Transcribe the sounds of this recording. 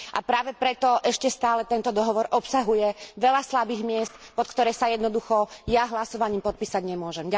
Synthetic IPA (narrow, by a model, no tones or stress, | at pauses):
ʔapɾaːʋɛpɾɛt̪ɔʔɛʃcɛst̪aːlɛt̪ɛnt̪ɔd̪ɔɦɔʋɔɾɔpsaɦujɛʋɛʎaslabiːɣmɪɛst̪pɔt̪kt̪ɔɾɛːsajɛd̪nɔd̪uxɔjaɦlasɔʋaɲiːmpɔt̪̚piːsaɟɲɛmʊɔʒɛmɟa